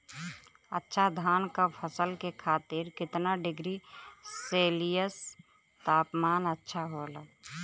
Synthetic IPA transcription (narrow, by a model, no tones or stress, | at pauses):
ə̰tːʃʰad̪ʱaːnkapʰəsəlkekʰaːt̪ɪɾkɪt̪naɖɪɡɾiseːlijəs | t̪aːpmaːnətːʃʰaɦola